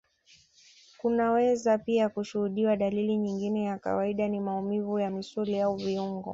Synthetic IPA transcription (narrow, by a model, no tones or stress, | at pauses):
kunawɛzapiakuʃuhuɗiwaɗaliliɲiŋɡinɛjaka̰waiɗanimaumivujamisuliauviuŋɡɔ̰